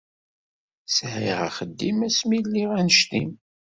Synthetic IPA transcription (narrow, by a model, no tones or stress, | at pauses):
shiʁa̰χəd̪ːimæsmilːiʁænəʃt̪im